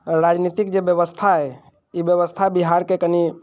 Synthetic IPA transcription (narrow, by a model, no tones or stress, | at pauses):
ɾaːd͡ʒnit̪ɪkd͡ʒebjəʋəst̪ʰaɦɛ | ibjəʋəst̪ʰabiɦaːɾkekəni